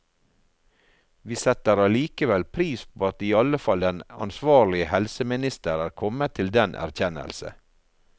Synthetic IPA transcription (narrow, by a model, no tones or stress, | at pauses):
ʋiːsɛt̪əɾɑliːkəʋɛlpʰɾiːspʰoːɑt̪iːɑləfɑld̪ɛnɑ̰nsʋɑːɾlɪəhɛlsəmɪnɪst̪əɾæːɾkʰɔmət̪ʰɪld̪ɛnʔæ̰ɾçɛnə̰lsə̰